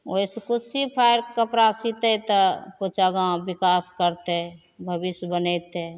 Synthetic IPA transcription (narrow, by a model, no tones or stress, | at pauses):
oiskusipʰajɾkəpɾasit̪ət̪əput͡ʃaɡãbikaskəɾt̪ɛ | bʱəbisjbənɛt̪e